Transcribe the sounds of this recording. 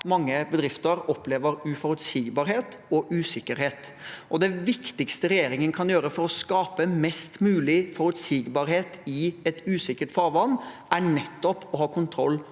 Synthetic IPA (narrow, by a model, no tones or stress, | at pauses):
mɑŋːəbəd̪ɾɪft̪əɾɔpleːʋəɾʉfɔɾʉt̪siːɡbɑɾheːt̪ɔʔʉːsɪkəɾheːt̪ʔɔd̪ɛʋɪkt̪ɪkst̪əɾɛjeːɾɪŋənəkʰɑnjøːɾəfɔɾɔskɑːpəmɛst̪mʉːlɪfɔɾʉt̪siːɡbɑːɾheːt̪ɪɛt̪ʉːsɪkːəʈfɑːɾʋɑnː | æɳɛt̪ːɔpɔɦɑːkʰʊnt̪ʰɾɔlː